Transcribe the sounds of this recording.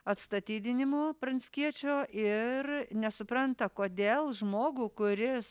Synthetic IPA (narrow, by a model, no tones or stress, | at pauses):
ɐt̪st̪ɐt̪ʲiːd̪ʲɪnʲɪmoːpɾɐnʲsʲkʲiɛt͡ʃʲoːʔɪɾnʲɛsʊpɾɐnt̪ɐkoːd̪ʲeːlˠʒmoːɡuːkʊɾʲɪs